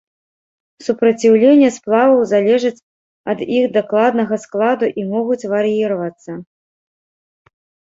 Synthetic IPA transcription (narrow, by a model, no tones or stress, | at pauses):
supɾɐt͡sʲiwlʲenʲːɛsplˠavɐwzalʲɛʐɨt͡sʲ | ɐd̪ixd̪aklˠad̪nɐɣɐsklˠad̪uʔimɔɣut͡sʲvɐɾjiɾɐvɐt̪sːɐ